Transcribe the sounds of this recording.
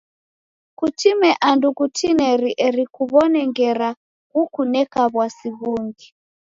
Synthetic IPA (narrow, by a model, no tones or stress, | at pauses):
kutimɛʔandukutʰinɛɾiʔɛɾikuβɔnɛŋɡɛɾa | ɣukunɛkaβwasiβuŋɡi